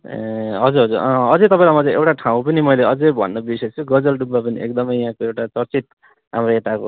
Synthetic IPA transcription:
ɦʌd͡zuɾɦʌd͡zuɾʌ̃ʌd͡zʌt̪ʌpaĩlamʌd͡zeewʈaʈʰaw̃pʌnimʌjleʌd͡zejbʱʌ̰nːʌbisʌjt͡sʰuɡʌd͡zʌlɖubːapʌniḛkd̪ʌmʌjɦãkoewʈat͡sʌrt͡sit̪̚ | ɦa̰mroet̪ako̰

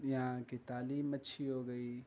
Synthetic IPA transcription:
jɐɦãkit̪aːliːmɐtːʃʰiɦoːɡɐiː

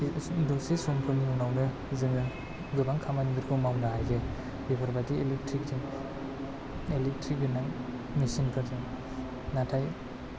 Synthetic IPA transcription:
dɔsisɔŋpʰɯɾniɔwnawnɯ | zɯŋɯ | ɡɯbaŋkʰamanmiɾkʰɯmawnaɦajɡɯ | bibʰʱaɾbadielek̚tʰɾik̚dim | elek̚tʰɾik̚binaŋ | misinkʰɯdɯ | natʰaj

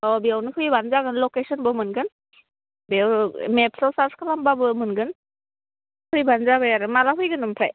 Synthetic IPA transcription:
ɔbiawnɯkʰɯjbanzaɡɯnlɔkesɔnbɯmɯnɡɯn | bwmep̚sɔwsaɾskʰalambabɯmɯnɡɯn | kʰɯjbanzabajaɾɯmalaɦɯjɡɯnɯmpʰɾaj

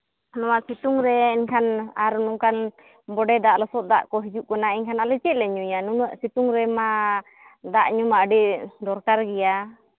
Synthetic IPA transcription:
nɔwasit̪uŋɾɛiɲkʰanaɾnuŋkan | bɔɖɛd̪aʔlɔsɔt̪̚d̪aʔkɔɦid͡ʒuʔkɔnaɛɲkʰanalɛt͡ʃɛʔlɛɲujanunɔʔsit̪uŋɾɛma | d̪aʔɲumaɖiʔd̪ɔɾkaɾɡɛja

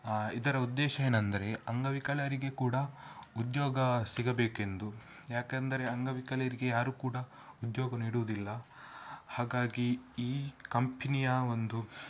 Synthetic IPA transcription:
id̪ɐɾɐud̪ːɛːʃɐeːnɐnd̪ɐɾe̞ɐŋɡɐʋikɐlɐjɐɾiɡe̞kuːɽɐud̪joːɡɐsiɡɐbeːke̞nd̪u | jaːkɐnd̪ɐɾe̞ɐŋɡɐʋikɐlɐjɐɾiɡe̞jaːɾuːkuːɽɐ | ud̪joːɡɐniːɽuʋud̪ilːɐ | haːɡaːɡiiːkɐmpʰinijao̞nd̪u

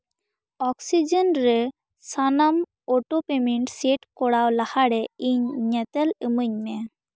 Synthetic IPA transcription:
ɔksid͡ʒenɾɛ | sanam | oʈopemiɳʈseʈkɔɽawlahaɽɛiɲɲɛt̪ɛləməɲmɛ

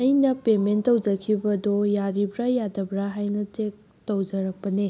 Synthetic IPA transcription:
ɐjnɐpementɐwd͡ʒɐkʰibɐdojaɾibɾajadɐbɾaɦajnɐtek̚ | tɐwd͡ʒɐɾɐk̚pɐne

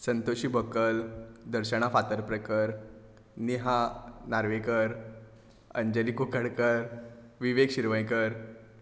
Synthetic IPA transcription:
sənt̪oɕiːbəkəld̪əɾɕəɽ̃afat̪əɾpɾəkəɾ | niɦanaɾʋekəɾ | ə̰ɲd͡ʑəlikukəɽkəɾʋiʋekɕiɾʋəjkəɾ

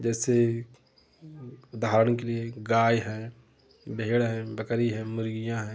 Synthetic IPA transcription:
d͡ʒɛːse | ʊd̪ʱaːɾəñk̬elieɡaːjɦɛ̃ː | bʱeːɽɦɛ̃ːbəkəɾiɦɛ̃ːmʊɾɡɪjãɦɛ̃ː

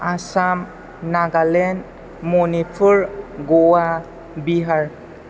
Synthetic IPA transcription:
asam | naɡalen | mɔnipʰuɾɡɔwa | biɦaɾ

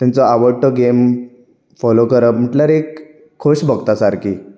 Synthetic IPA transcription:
t̪jãnt͡sɔaʋəɽʈɔɡem | fɔlokəɾəm̤əʈljaɾekʰː | oɕbəɡt̪asaɾkḭː

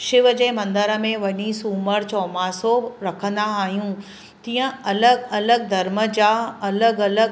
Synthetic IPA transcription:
ʃɪʋəd͡ʑeːmɐ̃nd̪əɾəmẽʋɐɲisuːməɾt͡ɕɔːmasoɾɐkʰə̃nd̪aaːɦijũ | t̪iːə̃ɐləɡɐləɡ̚d̪ʱɐɾməd͡ʑaːɐləɡɐləɡ

